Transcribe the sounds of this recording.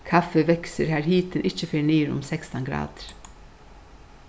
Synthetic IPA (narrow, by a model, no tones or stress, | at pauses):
kʰɑfəʋɛksəɾhæːɾhiːt̪ʰənʔɪçəfeːɳiːɾʊ̰msɛkst̪ɑnɡɾɑ̰ːd̪̥ɾ